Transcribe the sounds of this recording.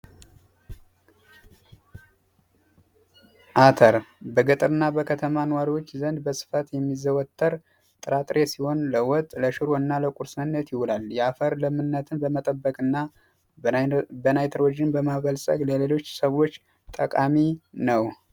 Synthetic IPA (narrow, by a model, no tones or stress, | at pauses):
ʔat̪ʰəɾbəɡɨt̪ʼɨɾɨnːabəkʰət̪ʰəmanwaɾiwo̞t͡ʃːzənd̪bəsɨ̥fat̪jɛmːizəwɔt̪ʰʼːəɾ | t̪ʼɨɾat̪ʼɾʔe̞siho̞nləwɔt̪ʼləʃɨɾoɨnːaləkʷʼuɾsɨnːət̪jɪhulaljɛafəɾləmɨnːət̪ʰɨnbəmət̪ʼəbːəkʼɨnːa | bənajt̪ʰəɾod͡ʒɪnbəmaβəlsʼə̰ɡləle̞lo̞t͡ʃːsəβot͡ʃː | t̪ʼəkʼaminəw